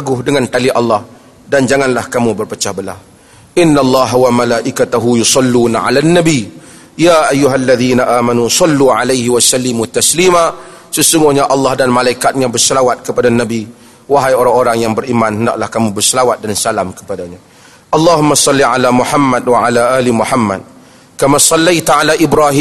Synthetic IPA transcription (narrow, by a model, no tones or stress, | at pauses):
aɡʊhdəŋant̪aliʔɑlːɑh | dand͡ʒaŋanlahkamubərpət͡ʃahbəla̰h | ʔɪnːalˤːɑɦawamalaʔikat̪aɦujusɑlːunaʕa̰lanːabi | jaːʔajːuɦalːaðiːnaʔaːmanusˤɑlːuʕalajɦiwasalːɪmut̪ːaslima | səsuŋɡuɲaʔɑlːɑhdanmalaikat̪̚ɲabərsəlawat̪̚kəpadanabi | waɦajoɾaŋoɾaŋjaŋbərimanhənda̰ʔlahkamubərsəlawat̪̚dansalamkə̥padaɲa | ʔɑlːɑɦumːasˤɑlːiʕalamuħamːad̚waʕalaʔaːlimuħamːa̰d̚ | kamasˤɑlːajt̪ʕalaʔibɾaɦi